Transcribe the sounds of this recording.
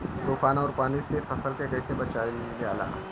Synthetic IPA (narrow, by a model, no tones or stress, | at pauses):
t̪uːfaːnɔːɾpaːnisefɐsəlkekɐɪsebɐt͡ʃaːelljaːla̰ː